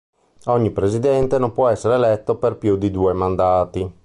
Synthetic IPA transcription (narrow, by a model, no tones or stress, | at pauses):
ɔɲːipɾezid̪ɛnt̪enompwɔɛsːeɾeːlɛt̪ːoperpjud̪id̪uːemand̪aːt̪i